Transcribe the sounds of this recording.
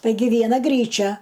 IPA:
ˈtɐɪɡʲɪ ʋʲiɛˈnɐ ˈɡrʲiːt͡ʃʲɛ

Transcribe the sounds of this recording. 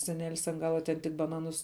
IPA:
sʲɛˈnʲæːlʲɪs ɐn ˈɡɑːlˠɐ tʲɛn tʲɪk bɐˈnɑːnʊs

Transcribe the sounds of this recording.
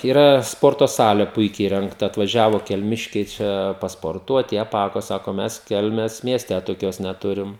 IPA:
iːˈrɐ ˈspoːrtoː ˈsɑːlʲeː ˈpʊɪkʲɛɪ iːrʲɛŋkˈtɐ ɐtʋɐˈʒʲæːʋoː kʲɛlʲˈmʲɪʃʲkʲɛɪ ˈt͡ʃʲɛ pɐspoːrˈtuɔt ɪ ɐˈpɑːkoː ˈsɑːkoː ˈmʲɛs ˈkʲɛlʲmʲeːs mʲiɛˈsʲtʲɛ toːˈkʲoːs nʲɛˈtʊrʲɪm

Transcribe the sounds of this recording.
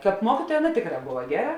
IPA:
ˈkɑːp ˈmuɔkʲiːtuɔjɛ ˈɑːˌnɐ ˈtʲeːkˌrɑː ˈboːʋɐ ˈɡʲæːˌrɐ

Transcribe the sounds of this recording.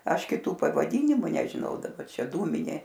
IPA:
ˈɐʃ kʲɪˈtuː pɐʋɐˈdʲiːnʲɪmʊ nʲɛʒʲɪˈnɐʊ dɐˈbɐ ˈt͡ʃʲɛ ˈduːmʲɪnʲeː

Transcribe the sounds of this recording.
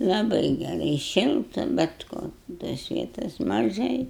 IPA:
lˠɐˈbɐɪ ɡʲɛˈrɐɪ ˈʃʲɪlˠtɐ bʲɛt ˈkoː toːs ˈʋʲiɛtoːs mɐˈʒɐɪ

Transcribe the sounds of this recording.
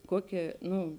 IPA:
ˈkuɔˌkʲeː ˈnʊ

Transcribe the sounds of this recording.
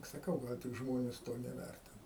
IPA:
sɐˈkɐʊ ˈɡɐlˠ tʲɪk ˈʒmoːnʲɛs ˈtoː nʲɛˈʋʲærʲtʲɪnɐ

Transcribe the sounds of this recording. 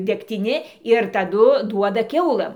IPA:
dʲɛktʲɪˈnʲɪ ɪr tɐˈdʊ ˈduɔdɐ ˈkʲɛʊlˠɘm

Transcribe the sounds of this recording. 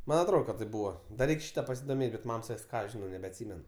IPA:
ˈmɐnʲ ɐtˈroːt kɐt tɐɪp ˈbuːʋɐ dɐ ˈrʲɛɪkʲ ˈʃʲiːtɐ pɐsʲɪdoːˈmʲeːtʲ bʲɛt ˈmɐm sɐˈkʲɪs ˈkɑː ɐʃ ˈʒʲɪnɐʊ nʲɛbʲɛɐtʲˈsʲiːmʲɛn

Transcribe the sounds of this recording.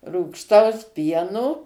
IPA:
ruːkʃˈtɐʊs ˈpʲiɛnoː

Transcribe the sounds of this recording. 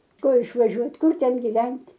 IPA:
ˈkʊr ɪʃʋɐˈʒʲuɔtʲ ˈkʊr ˈtʲɛn ɡʲɪˈʋʲɛnʲtʲ

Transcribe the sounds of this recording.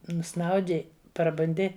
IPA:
nʊˈsnɐʊdʲɪ prɐbʊnʲˈdʲɪ

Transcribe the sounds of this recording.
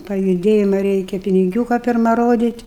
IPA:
pɐjʊˈdʲeːjɪmɐ ˈrʲɛɪkʲɛ pʲɪnʲɪˈɡʲuːkɐ pʲɪrˈmɐ ˈroːdʲiːtʲ

